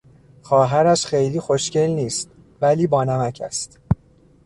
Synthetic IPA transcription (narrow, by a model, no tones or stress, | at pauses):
xɒːɦæɾæʃxejliːxoʃce̞lniːst̪̚ | væliːbɒːnæmæcʰæ̰st̪